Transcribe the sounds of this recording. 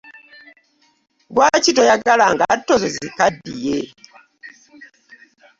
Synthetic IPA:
ɡwacitojaɡalaŋɡa̰tːozezikadːije

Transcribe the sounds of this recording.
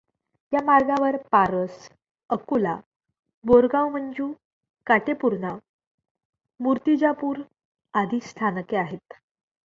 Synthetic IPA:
jamaɾɡãʋəɾpaɾəs | əkula | boɾɡãwm̤əɳd͡ʑuː | kaʈepuɾna | muɾt̪id͡ʑapuːɾ | ad̪ʱiːst̪ʰankeaɦet̪

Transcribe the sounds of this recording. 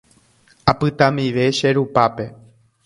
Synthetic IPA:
apɨt̪ãmiʋe̞ʃe̞ɾupape̞

